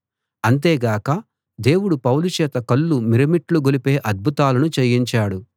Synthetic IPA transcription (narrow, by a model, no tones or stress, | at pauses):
ɐnt̪̬eːɡaːkɐ | d̪e̞ːwuɽupɐwlut͡ʃɛːt̪ɐkɐlːumiɾɐmiʈluɡolipe̞ːʔɐd̪̚bʱut̪aːlɐnut͡ʃejːiɲt͡ʃaːɽu